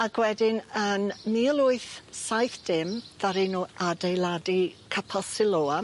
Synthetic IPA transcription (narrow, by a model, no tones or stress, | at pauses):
aɡ̥wɛdɪnənnilˠʊɨθsajθd̥ɪmðaɾinuadejlˠadikʰapʰasɪlˠoːa